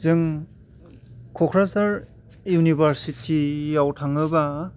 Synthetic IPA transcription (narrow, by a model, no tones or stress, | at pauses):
zɯŋ | kʰɔkʰɾasaɾ | junibʱaɾsitʰijawtʰaŋɯba